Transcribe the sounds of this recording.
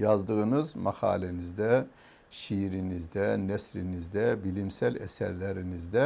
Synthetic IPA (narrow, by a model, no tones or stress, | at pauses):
jɑzd̪ɯɣɯnɯzmɑχɑ̰ːlɛnizd̪ɛ | ʃiɾinizd̪ɛnɛsɾinizd̪ɛbilimsælɛ̰sæ̰ɾlæɾinizd̪ɛ